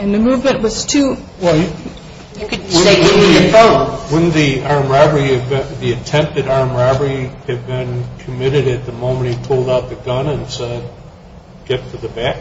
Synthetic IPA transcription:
ɨ̃nðɨmuvmɨ̃nʔwʌz̥tʰʉ | wɛ | kwə̃ɨ̃niɨwə̃nðiɑɹmɹæbə˞iɨbɨ̃ðiɨtʰɛ̃mp̚tɨɾɑɹ̃mɹæbə˞iɨd̚bɪ̃nkʰɨmɪɾɨɾɨt̪̚ðɨmõʊ̃mɨ̃nt̚hipʰʊlˠdaʊt̪̚ðɨɡʌ̃nɨ̃nsɛd̚ | ɡ̥ɛtfə˞ðɨbæk

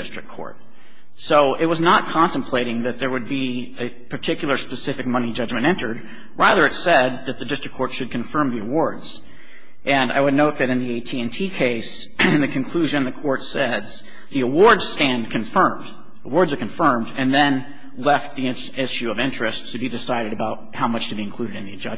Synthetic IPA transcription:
ɪstɹ̥ɨk̚kʰɔ̰ɹt̚ | soʊʔɪt̚wʌznət̚kʰɑ̃ntɨ̃m̩pʰl̥eɪɾɪ̃ŋðɨt̪̚ðə˞wɨd̚bi | ɨ | pʰə˞tʰɪkjl̩ˠə˞spɨsɪfɨk̚mʌñid͡ʒʌd͡ʒmɨ̃ñtɛ̃ntə˞d̚ | ɹæðə˞ɨtsɛd̪̚ðɨt̪̚ðɨdɪstɹ̥ɨkʰɔɹtʃɨd̚kʰɨ̃ɱfɜ̃˞mðiəwɔɹdz̥ | ʔɨ̃na̰ɪwɨdⁿnoʊt̪̚ðɨɾɨ̃nðieɪtʰiɛ̃ntʰikʰeɪs | nðɨkʰɨ̃nkʰl̥ʉʒɨ̃nðɨkʰɔɹtsɛz̥ | ðiəwɔɹdz̥stæ̃ndkʰɨ̃ɱfɜ̃˞md | əwɔɹdzə˞kɨ̃ɱfɜ̃˞mdɨ̃nðɨ̃n | lɛft̪̚ðiɪ̃ | ɪʃʉʌvɪ̃nt͡ʃɹ̥ɨstʰɨbidɨsaɪɾɨɾɨbaʊt̚haʊmʌt͡ʃtʰɨbiɨ̃nkʰl̥ʉɾɨɾɨ̃nðiɨd͡ʒʌ

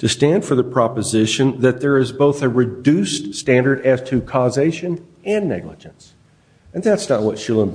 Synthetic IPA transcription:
tʰɨstæ̃nd̥fə˞ðɨpʰɹ̥ɑpɨzɪʃɨ̃nðɨt̪̚ðə˞ɨzboʊθɨɹɨdʉststæ̃ndə˞ɾɨz̥tʰɨkʰɔzeɪʃɨ̃n | ɨ̃nːɛ̰ɡləd͡ʒɨ̃ns | ɨ̃nðætsnət̚wʌtʃɪlˠə̃n

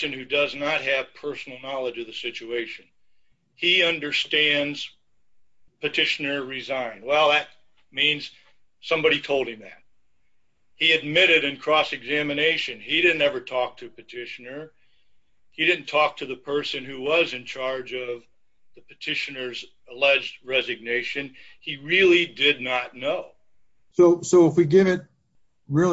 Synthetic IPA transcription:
ɨ̃nhʉdʌznət̚ɦɨv̥pʰɜ˞sn̩l̩ˠnɑlˠəd͡ʒʌvðɨsɪt͡ʃʉeɪʃɨ̃n | iʌ̃ndə˞stæ̃ndz̥ | pʰɨtʰɪʃɨnə˞ɹɪzãɪ̃nwɛlˠðɨt̚ | mĩnz̥ | sʌ̃mbɑɾitʰoʊlˠd̚ɨ̃mðɨ̰t̚ | hiɨd̚mɪɾɨɾɨ̃nkʰɹ̥ɔsɨɡzæmɨneɪʃɨ̃niɾɪdⁿn̩tɛvə˞tʰɔk̚tʰɨpɨtʰɪʃɨnə˞ | iɾɪdⁿn̩tʰɔk̚tʰɨðɨpʰɜ˞sɨ̃nhʉwʌzɨ̃nt͡ʃʰɑɹd͡ʒʌv | ðɨpʰɨtʰɪʃɨnə˞z | əlɛd͡ʒd̚ɹɛzɨɡ̚neɪʃɨ̃niɹɪlˠidɪdⁿnətⁿnoʊ | soʊsoʊəfwiɡɪvɨt̚ | ɹɪl

